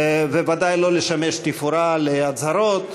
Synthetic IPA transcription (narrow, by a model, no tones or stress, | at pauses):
vevad̪ajlo̞leʃameʃt̪ifuɾaleat͡saɾot̪